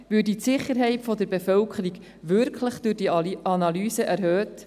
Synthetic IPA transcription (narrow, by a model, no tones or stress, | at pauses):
ʋʉːditsɪχːəɾɦɛɪtfɔdəɾbefœlkʰəɾiɡ | ʋʏɾkχləχd̥ʉɾdiɑnɑlyːsəʔæɾhøːt